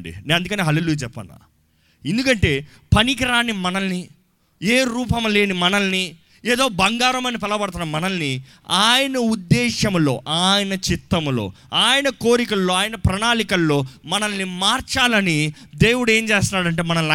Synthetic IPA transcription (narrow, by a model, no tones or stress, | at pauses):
ɳɖḭneːɐnd̪ukɐneːɦɐleːluːjɐt͡ʃɛpːɐ̰nːa̰ː | end̪ukɐɳʈe̞ː | pɐnikɐɾaːnimɐnɐlːi | eːɾuːpɐmle̞ːnimɐnɐlni | eːd̪o̞ːbɐŋɡaːɾɐmɐnipɛlːɐbɐɽɐt̪unːɐmɐnɐlːi | aːjɐnɐud̪ːɛːʃɐmlo̞̰ːʔaːjɐnɐt͡ʃit̪ːɐmlo̞̰ː | aːjɐnɐko̞ːɾikɐlːoːaːjɐnɐpɾɐɳaːlikɐlːo̞ːmɐnɐlːimaːɾt͡ʃaːlɐnid̪e̞ːwuɽue̞ːɲt͡ʃeːst̪unːaːɽɐɳʈ̬e̞ːmɐnɐmɐ